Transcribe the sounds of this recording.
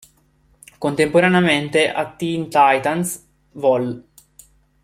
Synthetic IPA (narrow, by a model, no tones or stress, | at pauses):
kont̪empoɾaneament̪eʔat̪ːint̪ajt̪ans | vɔl